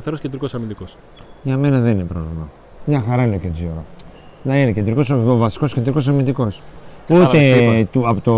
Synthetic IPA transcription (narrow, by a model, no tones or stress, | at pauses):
θeɾoscend̪ɾikosɐɾmind̪ikos | ʝɐme̞nɐðeninepɾovlimɐ | mɲɐxɐɾɐineked͡zioɾɐ | nɐine̞cend̪ɾiko̞soovɐsi̥ko̞skend̪ɾiko̞s̬ɐɾmind̪iko̞sue̞t̪uɐpot̪o